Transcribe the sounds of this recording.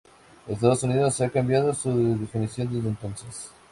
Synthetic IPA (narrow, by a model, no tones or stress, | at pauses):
est̪aðosuniðosːeakambjaðosuððefinisjo̞nd̪e̞zðent̪o̞nses